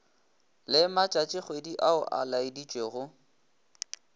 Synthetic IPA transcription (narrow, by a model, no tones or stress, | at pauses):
lɪmat͡ʃʼat͡ʃʼɪχwediʔaʊʔa̰laɪdit͡ʃʼweɣʊ